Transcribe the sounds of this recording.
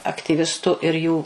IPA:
ɐktʲiːˈʋʲɪstʊ ɪr ˈjuː

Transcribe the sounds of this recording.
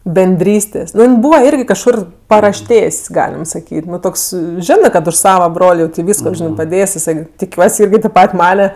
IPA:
bʲɛnʲˈdʲrʲiːsʲtʲeːsʲ ˈnʊ jɪn ˈbuːʋɐ ˈɪrʲɡʲɪ kɐʃˈkʊr pɐrɐʃʲˈtʲeːsʲ ˈɡɑːlʲɪm sɐˈkʲiːtʲ ˈnʊ ˈtoːks ˈʒʲɪnɜ kɐt ʊʃ ˈsɑːʋɐ ˈbroːlʲ jɛʊ tʲeː ˈʋʲiːskoː ˈʒʲɪnɜ pɐˈdʲeːsʲ jɪˈsɐɪ tʲɪˈkʲuɔsʲ ˈɪrʲɡʲɪ tʲeːp ˈpɐtʲ ˈmɑːnʲɛ

